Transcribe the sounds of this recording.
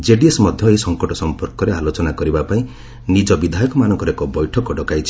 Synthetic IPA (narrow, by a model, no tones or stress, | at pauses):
d͡ʒeɖiesmɔd̪ʱjɔeisɔŋkɔʈɔsɔmpɔɾkɔɾealot͡ʃɔnakɔɾibapaĩ | nid͡ʒɔbid̪ʱajɔkɔmanɔŋkɔɾekɔbɔjʈʰɔkɔɖɔkajt͡ʃʰi̥